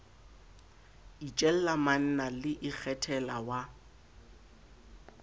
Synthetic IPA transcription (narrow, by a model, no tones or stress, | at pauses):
it͡ʃʼɛl̩laman̩nalɪʔɪk͡xʰɛtʰɛlawa